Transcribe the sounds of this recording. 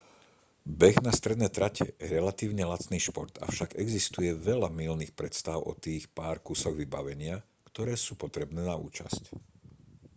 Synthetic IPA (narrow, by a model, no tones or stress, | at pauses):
bɛɣnast̪ɾɛd̪nɛjt̪ɾacʰɛ̰jɛɾɛlat̪iːʊɲɛlat͡sniːʃpɔɾt̪a̰fʃaɡɛɡzist̪ujɛʋɛʎamilniːxpɾɛt̪st̪aʊɔ̰t̪iːxpaːɾkusɔɣʋibaʋɛɲɪa | kt̪ɔɾɛːsuːpɔt̪ɾɛbnɛːnaṵːt͡ʃa̰sc